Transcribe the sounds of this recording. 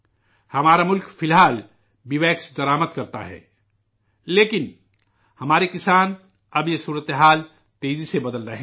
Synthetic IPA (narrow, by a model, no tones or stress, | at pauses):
hɐmaːɾamʊlkpʰɪlɦaːl | biʋɛːksd̪əɾaːməd̪kəɾt̪a̰ɦɛ̰ː | leːkɪn | hɐmaːɾikɪsaːn | əbjesuːɾət̪eɦaːl | t̪eːzisebəd̪əlɾəɦẽ